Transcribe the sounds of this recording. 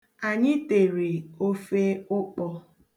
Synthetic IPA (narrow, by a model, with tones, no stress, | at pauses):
a˨ɲɪ˦te˨ɾe˨o˦fe˦ʊ˦k͡pɔ˦